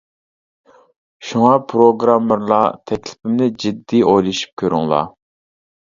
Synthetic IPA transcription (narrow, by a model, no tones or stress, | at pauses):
ʃuŋɑpʰɾoɡɾɑmːəɾlˠɑ̰t̪ʰɛkʲlɪ̥pʰɪmnɪd͡ʒid̪ːiojlˠɨʃy̥p̚kʲʰøɾyŋlˠɑ̰